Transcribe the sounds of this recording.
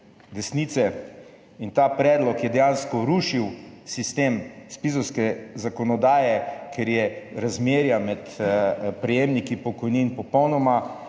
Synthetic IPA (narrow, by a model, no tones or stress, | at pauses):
d̪ɛsniːt̪sɛ | int̪aːpɾɛːd̪lɔkjɛd̪ɛjanskɔɾuʃiwsist̪eːmspizɔwskɛzakɔnɔd̪aːjɛkʰɛɾjɛɾazmeːɾjamɛt̪pɾɛjeːmnikipɔkɔjninpɔpɔwnɔma